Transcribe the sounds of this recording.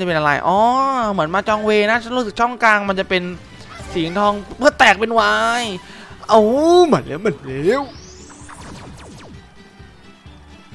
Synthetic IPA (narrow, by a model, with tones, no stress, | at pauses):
a˧nt͡ɕa˨˩pe˧nʔa˧ɾa˧jʔɔː˧˥mɯ˩˦ənmaː˧t͡ɕɔː˧ŋweː˧naː˧˥˩t͡ɕa˨ɾuː˦˥sɯ˨˩k̚t͡ɕʰɔ˥˩ŋkaː˧ŋma˧nt͡ɕa˨˩pe˧n | siː˩˦ŋt̪ʰɔː˧ŋpʰɯ˥˩ɐt̪ɛː˨˩k̚pe˧nwaː˧jʔa˧˩mɯ˩˦ə˦nleː˦˥wmɯ˨˩˦ə˦nleː˦˥w